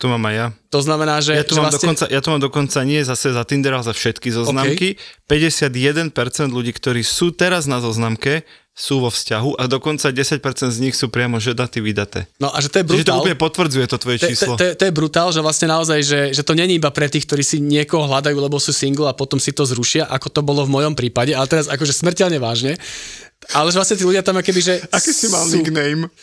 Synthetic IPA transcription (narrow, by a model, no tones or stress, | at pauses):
t̪umaːmajat̪ɔznamɛnaːʒɛjat̪umamlad̪ɔɔnt͡sa̰jat̪umaːmd̪ɔkɔnt͡saɲɪɛzasɛzat̪ind̪ɛɾalzafʃɛt̪kizɔznamkipɛɟɛsɪad̪jɛd̪ɛnpɛɾt͡sɛnd̪ʎuɟiːkt̪ɔɾiːsuːt̪ɛɾaznazɔznamkɛ | suːʋɔfscaɦuʔad̪ɔkɔnt͡saɟɛsac̚pɛɾt͡sɛnd̪zɲixsuːpɾɪamɔʒɛd̪at̪iʋid̪at̪ɛ̰ːnɔʔa̰ʒɛt̪ɔjɛbɾuɛt̪ɔaulpɲɛpɔt̪ʋr̩d͡zujɛt̪ɔt̪ʋɔjɛt͡ʃiːslɔɛt̪ɔjɛbɾut̪aːlʒɛʋlasɲɛnaɔzajʒɛʒɛt̪ɔɲɛɲɛibapɾɛt̪iːxk̚t̪ɔɾiːsiɲɪɛkɔɦɔɦlad̪ajuːlɛbɔsuːsiŋɡl̩apɔt̪ɔmsit̪ɔzɾuʃɪaʔakɔt̪ɔbɔlɔvmɔjɔmpɾiːpaɟɛalɛt̪ɛɾazakɔʒɛsmr̩cɛlɲɛʋaːʒɲɛ | alɛʒɛʋlasɲɛt̪̬iːluɟɪat̪amkɔkɛbiʒɛakɛsimalniɡnɛjm